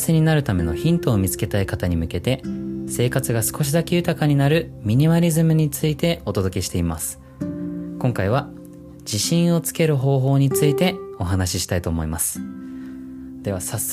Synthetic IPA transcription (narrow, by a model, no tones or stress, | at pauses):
seɲ̟inaɾɯ̟t̪ame̞no̞̰çĩnt̪o̞ːmʲit͡sɨ̥ke̞t̪aikat̪aɲ̟imɯ̟ke̞t̪e̞se̞ːkat͡sɨɡasɨ̥ko̞ɕ̬id̪ake̞jɯ̟t̪akaɲ̟inaɾɯ̟mʲiɲ̟imaɾʲizɨmɯ̟ɲ̟it͡sɨit̪e̞o̞t̪o̞d̪o̞kʲe̞ɕi̥t̪e̞ima̰sɨ̥ | kõ̞ŋkaiβ̞a | d͡ʑiɕĩɰ̃o̞t͡sɨ̥ke̞ɾɯ̟ɦo̞ːɦo̞ːɲ̟it͡sɨit̪e̞o̞ɦanaɕiɕi̥t̪ait̪o̞ːmo̞imasɨ̥ | d̪̥e̞βasas